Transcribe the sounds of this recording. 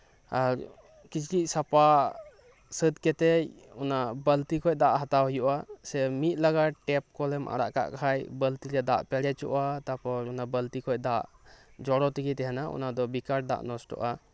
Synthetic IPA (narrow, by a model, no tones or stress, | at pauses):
aɾ | kit͡ʃʰʈisapa | səd̪kɛt̪ɛj | ɔnabəlt̪ikʰɔj̚d̪aʔɦat̪aɦɔjuʔasɛmit̪̚ˀlaɡaʈɛp̚kɔlɛmʔa̰ɾa̰ʔka̰ʔkʰajbəlt̪iɾɛd̪a̰ʔpɛɾɛt͡ʃɔ̰ʔat̪apɔɾɔnabəlt̪ikʰɔc̚ˀd̪aʔd͡ʒɔɽɔt̪iɡɛt̪ɛɦanaʔɔ̰nad̪ɔbikaɾ̚d̪a̰ʔnɔsʈɔ̰ʔa